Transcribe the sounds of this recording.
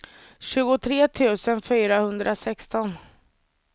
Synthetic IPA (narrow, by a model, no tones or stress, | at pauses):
ɕʉ̟ːɡʊt̪ʰɾeːt̪ʰʉ̟ːsənfyːɾahɵnd̪ɾʔasɛkst̪ɔn